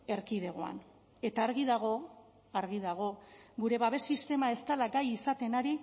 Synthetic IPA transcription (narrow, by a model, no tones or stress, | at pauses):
e̞ɾkið̞e̞ɣ̞o̞a̰n | e̞t̪aːɾɣiðaɣ̞o̞ | aɾɣiðaɣ̞o̞ɡuɾe̞βaβe̞sist̪e̞mae̞st̪alaɡajisat̪e̞naɾi